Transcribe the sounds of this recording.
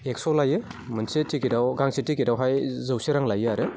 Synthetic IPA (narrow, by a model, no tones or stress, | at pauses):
ek̚sɔlajɯmɯnsetʰikidawɡaŋsitikidawɦajzɯwseɾaŋlajɯaɾɯ